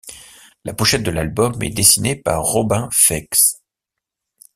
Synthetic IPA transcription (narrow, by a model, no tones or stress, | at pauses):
lapuʃɛt̪̚d̪əlalbɔmɛ̰d̪esinepaʁːɔbɛ̃fɛks